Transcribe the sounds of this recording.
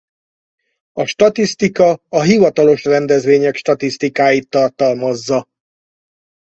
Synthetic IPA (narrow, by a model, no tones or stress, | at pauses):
ɒʃt̪ɒt̪ist̪ikɒɒɦivɒt̪ɒlo̞ʃrɛnd̪ɛzʋeːɲɛkʃt̪ɒt̪ist̪ikaːjit̪ːɒrt̪ɒlmɒzːɒ